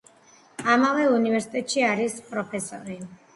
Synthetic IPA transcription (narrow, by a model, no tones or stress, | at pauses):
amavɛunivɛɾsi̥t̪ʼɛt̪ʼʃiaɾispʼɾɔpʰɛsɔ̰ɾi